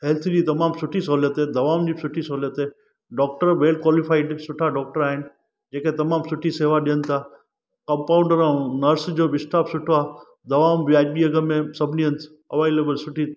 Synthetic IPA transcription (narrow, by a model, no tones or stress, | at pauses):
ɦɛlt̪ʰd͡ʑiːt̪ɐmaːmsʊʈʰisoːljət̪ed̪ʱɐʋaːmd͡ʑiːsʊʈʰisoːljət̪e | ɖɔːk̚ʈəɾʋeːl̚kwaːlɪfaːɪɖsʊʈʰaɖɔːk̚ʈəɾaːɦɪnɪ̆ | d͡ʑeːket̪ɐmaːmsʊʈʰiseːʋaɗijənt̪ʰaː | kɐ̃mpaːʊ̃ɳɖəɾãũnɐɾsd͡ʑoːʋɪsʈaːpsʊʈʰoaː | d̪ɐʋaːmʋiaːbiɐɡəmẽsɐbʱniənt̪ʰ | ɐʋaːɪleːbəlsʊʈʰi